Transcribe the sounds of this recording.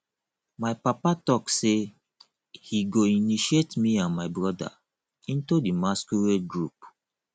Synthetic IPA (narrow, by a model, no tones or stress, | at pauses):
maɪpapatɔkse | hiɡoiniʃietmiãnmaɪbɹɔda̰ | ĩntudimaskuɹeɡɹup